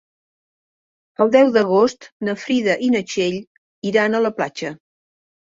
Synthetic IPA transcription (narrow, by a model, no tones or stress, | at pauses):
əlˠd̪ɛwðəɣ̞ost̪nəfɾiðəʔinət͡ʃeʎ | iɾanələpla̰t͡ʃə